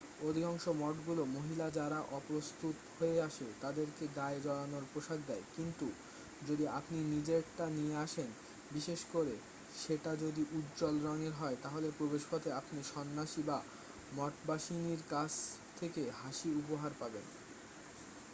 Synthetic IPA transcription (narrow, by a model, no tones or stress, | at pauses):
od̪ʱikɔŋʃomɔʈɡulomoɦilad͡ʑaɾaʔɔpɾost̪ʰut̪hoeaʃet̪ad̪eɾkeɡaed͡ʑɔɽanoɾpɾoʃaɡ̚d̪ɛekint̪u | d͡ʑod̪iapninid͡ʑeʈanieaʃen | biʃeʃkoɾe | ʃeʈad͡ʑod̪iʔut̪d͡ʑɔlɾɔneɾɦɔet̪aɦolepɾobeʃpʰɔt̪ʰeapniʃɔnːaʃiba | mɔʈbaʃiniɾkad͡ʑʰt̪ʰekeɦaʃiupoɦaɾpaben